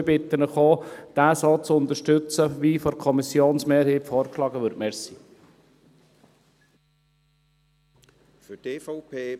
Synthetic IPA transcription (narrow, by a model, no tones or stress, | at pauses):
bɪt̪ːənəχoːd̥æːsot͡sʊnd̪əʃtøt͡səʋiːfɔɾkʰɔmisjoːnsmeːɾheːpfɔːɾkʃlɑːɡəʋʏɾtmeːɾsiː | fytefɔʊpʰeː